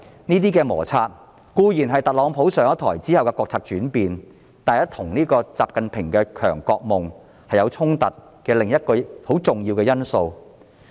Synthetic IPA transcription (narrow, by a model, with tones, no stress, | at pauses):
niː˥t̪iː˥kɛː˧mɔ̰ː˨˩t͡sʰaː˧t̚ | kuː˧jiː˨˩nɦɐ˨jt̪ɐ˨t̚lɔː˨˥ŋpʰo˨˥wsœː˨˩ŋɐ˥t̪ʰɔː˨˩jt͡siː˥hɐ˨wkɛ˧kɔː˧k̚t͡sʰaː˧k̚t͡ʃyː˨˥npiː˨n | t̪aː˨˧jɐ˥t̪ʰʊ˨˩ŋniː˥kɔː˧t͡sa̰ː˨p̚kɐ˨npʰɪ˨˩ŋkɛ˧kʰœ̰ː˨˩ŋkɔː˧k̚mʊ˨˩ŋ | hɐ˨jɐ˨˧wt͡sʰʊ˥ŋt̪ɐ˨t̚ | kɛː˧lɪ˨˩ŋjɐ˥t̚kɔː˧ho˨˥wt͡sʊ˨ŋjiː˧wkɛː˧jɐ˥nso˧w